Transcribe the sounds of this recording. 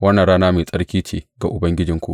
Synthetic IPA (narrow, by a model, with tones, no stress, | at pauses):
wɐ˦nːa˨nɽaː˦naː˦meː˨sʼɐ˦ɽkʲiː˦t͡ʃeː˨ɡa˨ʔʊ˨bɐ˦ŋɡʲɪ˦d͡ʒɪ˨ŋkʷu˦˨ʔ